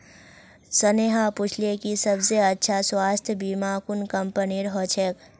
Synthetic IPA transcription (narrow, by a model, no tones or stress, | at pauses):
səneɦapʊt͡ʃʰlekisəbseətːʃʰaswaːst̪ʰjəbiːmaːkunkəmpəniɾɦot͡ʃʰek